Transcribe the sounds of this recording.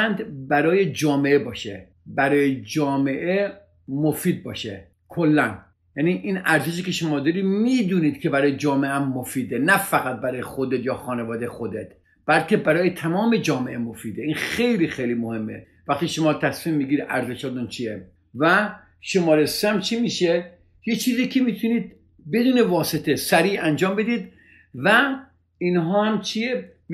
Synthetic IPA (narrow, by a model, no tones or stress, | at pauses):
ænd̪bæɾɒːjed͡ʒɒːmeʔebɒːʃḛ | bæɾɒːjed͡ʒɒːme̞ʔe | mofiːd̪̚bɒːʃḛ | kʰolːæn | jæːniʔinæɾzeʃ̬iːkʲʰeʃomɒːd̪ɒɾimiːd̪uniːd̪kʲʰebæɾɒːjed͡ʒɒːmeʔæmːofiːd̪enæfæɣæt̪̚bæɾɒːjexod̪et̪jɒːxɒːnevɒːd̪ejxod̪et̪ | b̥ælcʰʲebæɾɒːjet̪ʰæmɒːmed͡ʒɒːmeʔemofiːd̪einxe̞jliːxejliːmohe̞mːḛ | væxt̪iʃomɒːt̪ʰæsmiːmːiɡʲiɾid̪ʔæ̰ɾzeʃɒd̪unt͡ʃʰiːe | væ | ʃomɒːɾeseæmt͡ʃʰimiːʃe | jet͡ʃʰiːziːkʰemiːt̪ʰuniːd̪̚ | be̞d̪uːne̞vɒːset̪ʰesæɾiːænd͡ʒɒːmbe̞d̪iːd̪ | væ | inɦɒːhæmt͡ʃʰie